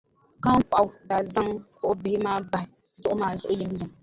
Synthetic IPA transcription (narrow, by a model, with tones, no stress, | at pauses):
ka˦ŋ˦k͡pa˨wda˨za˦ŋkʊ˦ʔbɪ˨hi˦ma˦ɡ͡ba˨i˨ | zʊ˦ʔmaː˨zʊ˦ʔji˦m˦ji˨m